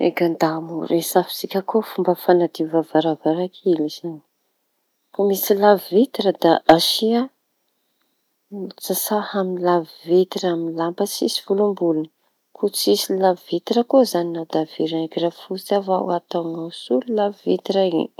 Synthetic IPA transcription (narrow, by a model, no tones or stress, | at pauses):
ḛkand̪amuɾesafi̥sikʲakofumbəfanad̪ivav̥aɾavaɾakʰiliz̥ani̥ | famisilavvit̪iɾəd̪aʔaʃia | t͡sasahaminlavivit̪iɾaminlampət͡sisiv̥ulumbuluni | kʰut͡sisilavvit̪iɾəkozaninawd̪av̥iɾanekirafut͡savaw̰at̪aŋawsulilavvit̪iɾaḭ